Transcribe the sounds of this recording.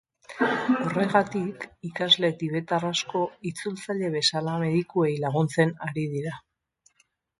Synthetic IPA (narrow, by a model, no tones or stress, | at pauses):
o̞re̞ɣat̪ikikazle̞t̪iβ̞e̞t̪arasko̞it͡sult͡saʎe̞βe̞salame̞ðikue̞jlaɣunt͡se̞naɾið̞iɾa